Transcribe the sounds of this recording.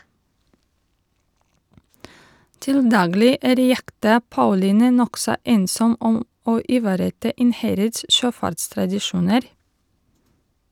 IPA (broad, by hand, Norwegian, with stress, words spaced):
ˈtɪl ˈdɑːɡlɪ ˈæːɾ ˈjɛktɑ ˈpɑʉliːnɛ ˈnɔksɔ ˈeːnsɔm ˈɔm ˈoː ʔɪˈʋɑːɾəˌtɑː ˈɪnˌhæɾəds ˈʃøːˌfɑɾtstɾɑdɪˌʃuːnəɾ